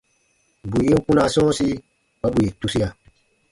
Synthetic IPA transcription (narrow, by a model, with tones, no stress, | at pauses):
bu˨jĩ˦kũ˦na˨sɔ̃˦si˦ | ba˦bu˨je˨tu˦si˦a˨